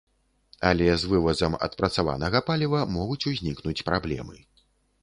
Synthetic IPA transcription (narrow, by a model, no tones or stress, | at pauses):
ɐlʲɛzvɨvɐzɐmɐ̰t̪pɾɐt̪sava̰nɐɣɐpalʲivɐmɔɣut͡sʲuzʲnʲiknut͡sʲpɾablʲɛ̰mɨ